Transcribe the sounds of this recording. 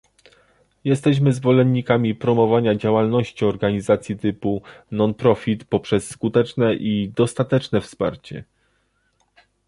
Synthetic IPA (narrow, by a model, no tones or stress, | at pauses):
jɛst̪ɛɕ̬mɘzvɔlɛnːikamʲipɾɔmɔvaɲad͡ʑawalnɔɕt͡ɕiɔɾɡaɲizat̪sʲjit̪ɘpunɔnpɾɔfʲit̪pɔpʂɛsːkut̪ɛt͡ʂnɛʔid̪ɔst̪at̪ɛt͡ʂnɛfspa̰ɾt͡ɕɛ̰